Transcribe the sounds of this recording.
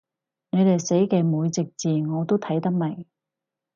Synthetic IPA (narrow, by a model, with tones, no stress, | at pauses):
ŋe˨˧ɥt̪e˨jse˨˥jkɛː˧muː˨˧jt͡sɪ˨k̚t͡siː˨ŋɔː˨˧t̪o˥wt̪ʰɐ˨˥jt̪ɐ˥k̚mɐ˨˩j